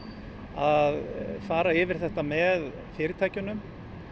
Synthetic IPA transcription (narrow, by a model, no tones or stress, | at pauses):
aðfaːɾaɪːvɪɾ̥θɛht̪amɛð | fɪːɾɪt̪ʰaːjcʏnʏm